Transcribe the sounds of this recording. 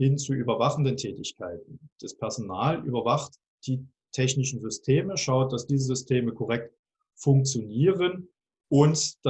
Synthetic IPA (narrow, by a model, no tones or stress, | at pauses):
hɪnt͡suʔyːbɐvaχn̩dəntʰɛːtɪçkʰaɪtn̩d̥ɛspʰɛɐzonaːlʔy̰ːbɐvaχt | d̥iː | tʰɛçnɪʃn̩zʏstʰeːməʃaʊt̚d̥asd̥iːzəzʏstʰeːməkʰɔʁɛk̚t | fʊŋk̚t͡sjoniːʁən | ʔʊntd̥a